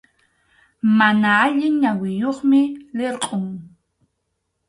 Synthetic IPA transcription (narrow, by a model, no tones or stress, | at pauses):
manaaʎɪŋɲawɪjoχmɪleɾqʼoŋ